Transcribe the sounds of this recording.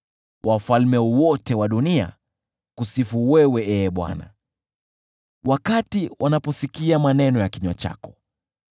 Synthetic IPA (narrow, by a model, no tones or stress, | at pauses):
wʔafalmɛwɔtɛwaɗunia̰ | kusifuwɛwɛʔɛɓwa̰na̰ | wakatiwʔanapɔsikiamanɛnɔjakiɲwat͡ʃa̰kɔ̥